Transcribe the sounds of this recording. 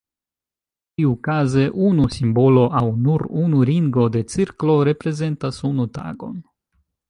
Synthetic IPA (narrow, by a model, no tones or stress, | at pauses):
iukaze̞ʔunusimbo̞lo̞ʔawnuɾunuɾiŋɡo̞de̞t͡siɾklo̞ɾe̞pɾe̞ze̞ntasunuta̰ɡo̞̰n